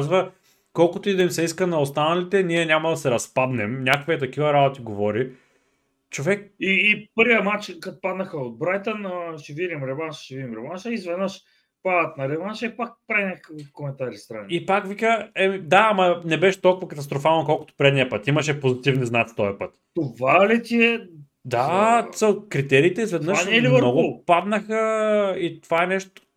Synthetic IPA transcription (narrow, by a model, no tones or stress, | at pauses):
zvɐ | kɔlˠkʊt̪oid̪ɐimsɛiskənɐost̪anɐlit̪ɛnʲiɛnʲamɐd̪ɐsɛɾɐspab̪nɛmnʲakəkviɛt̪ɐk̟ivɐɾabot̪iɡovɔɾi | t͡ʃovɛk̚iːpəɾvʲiəmat͡ʃkat̪pad̪nɐxəod̪̚bɾajt̪ənəʃɛvidʲimɾɛvanʃʃɛvidʲimɾɛvanʃɛizvɛd̪nəʃ | pad̪ət̪nɐɾɛvanʃɛpak̚pɾɛnʲakəkifkomɛnt̪aɾist̪ɾa̰niipakvikəɛmid̪aːmɐnɛbɛʃɛ̥t̪ɔlˠkʊvɐkɐt̪ɐst̪ɾofalˠnokɔlˠkʊ̥t̪o̥pɾɛd̪nijəpɤt̪imɐʃɛpozit̪ivniznat̪t̪ɔɛpɤt̪t̪ovalit̪ʲiɛ | d̪asəkɾit̪ɛɾiːt̪ɛizvɛd̪nnəanɛlivəɾnɔɡʊopad̪nəxəit̪ovaɛnɛʃt̪o̥